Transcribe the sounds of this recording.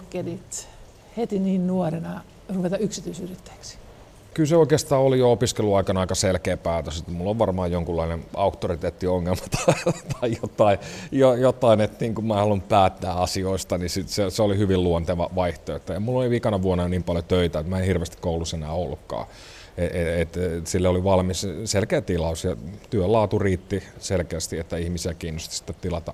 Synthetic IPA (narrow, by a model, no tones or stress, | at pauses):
kːenit̪ | het̪iniːnnuorenɑ | ruʋet̪ɑyksit̪yːsyrit̪ːæ̥ːksi̥ | kylseoikeːst̪ɑːolijoopiskeluɑikɑnɑikɑselkeːpæːt̪øset̪ːmulːoʋʋɑrmɑːjjoŋkulːɑinenɑukt̪ːorit̪eːt̪ːioŋːelmɑ̥t̪ɑ̥t̪ʰɑijot̪ːɑijojot̪ɑinet̪niːŋkumæːhɑlumpæːt̪ːæːɑsioist̪ɑnisit̪seseolihyʋilluont̪eʋɑʋɑiht̪oet̪ːæemulːoliʋikɑnɑʋuonːɑjoniːmpɑljot̪øit̪æet̪mæenhirʋest̪i̥kkoulːusenæ̰ːolːukːɑ̰ː | eʔeet̪silːeoliʋɑlmisselkeːt̪ilɑusjɑt̪yølɑːt̪uriːt̪ːiselkeːst̪iet̪ːæihmisiækiːnːost̪ɑ̥si̥t̪ːett̪ilɑt̪ɑ